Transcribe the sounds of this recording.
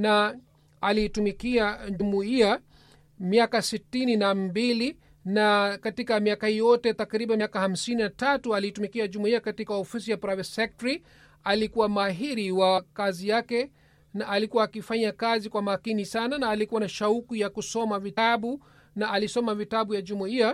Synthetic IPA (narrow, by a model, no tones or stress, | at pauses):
na | aliːtumikiaʄumuia | miakasitininambili | nakatikamiakahijɔtɛtakɾiɓanakaham̩sininatatualiːtumikiaʄumuiakatikaɔfisijapɾavɛtsɛk̚tɾi | alikuwamaɦiɾiwakazijakɛ | naʔːlikuwaːkifaɲakazikwamaːkinisananaːlikuwanaʃaukujakusɔmaviaɓu | naʔːlisɔmavitaɓujaʄumuia